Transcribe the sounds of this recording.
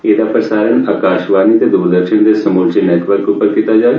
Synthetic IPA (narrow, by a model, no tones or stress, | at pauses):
eːd̪apɾɐsaːɾənaːkaːʃʋaːnit̪ed̪uːɾd̪əɾʃənd̪esɐmuːlt͡ʃineːʈʋəɾkupəɾkit̪ad͡ʒaː